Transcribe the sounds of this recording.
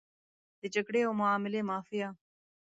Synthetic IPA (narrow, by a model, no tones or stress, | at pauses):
t̪et͡ʃəkɽeːoːmʊaːmɪleːmaːfɪjaː